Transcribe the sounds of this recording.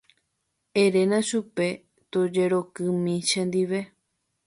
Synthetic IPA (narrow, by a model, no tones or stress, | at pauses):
eɾe̞nãʃupe̞ | t̪od͡ʒe̞ɾo̞kɨ̃mĩʃẽnd̪iʋe̞